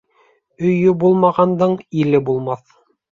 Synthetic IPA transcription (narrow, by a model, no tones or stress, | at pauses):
ɵ̆jɵbulˠmɑʁɑnd̪ɤɴilɘbulˠmɑθ